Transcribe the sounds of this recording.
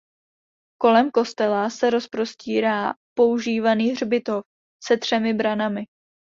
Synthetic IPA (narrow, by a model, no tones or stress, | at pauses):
ko̞lɛmko̞st̪ɛlasɛɾo̞spɾo̞sciːɾaːpo̞uʒiːvaniːr̝bɪt̪o̞f | sɛt̪r̥ɛmɪbɾanamɪ